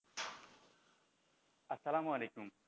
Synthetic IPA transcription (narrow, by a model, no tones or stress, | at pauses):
ɐsːɐlaːmuɐleːkum